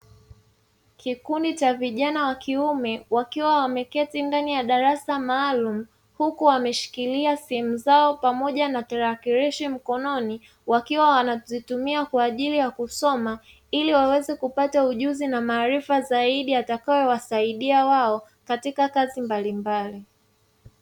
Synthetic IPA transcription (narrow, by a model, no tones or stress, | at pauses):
kikundit͡ʃaviʄanawakiumɛwakiwawamɛkɛtindanijaɗaɾasamaːlum̩ | hukuwamɛʃi̥kiliasɛɛmuzaɔpamɔʄanatɛɾakiɾiʃim̩kɔnɔni | wakiwawanazitumiakwaːʄilijakusɔma | iliwawɛzɛkupatauʄuzinamaːɾifazaiɗiatakawɛwasaiɗiawaɔ | katikakazimbalimbali